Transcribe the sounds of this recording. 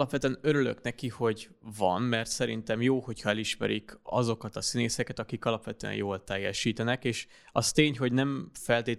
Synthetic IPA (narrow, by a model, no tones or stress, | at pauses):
lɒpʋɛt̪yɛnø̞ɾyløknɛkiho̞ɟ | vɒ̰mmɛrt̪sɛɾint̪ɛmjoːho̞cʰhɒɛliʃmɛ̰ɾikɒ̰zo̞kɒt̪ɒsineːsɛkɛt̪ɒkikɒlɒpʋɛt̪øɛ̰njoːlt̪ɛjːɛʃiːt̪ɛnɛkeːʃ | ɒst̪eːɲho̞ɟnɛɱfɛlt̪eː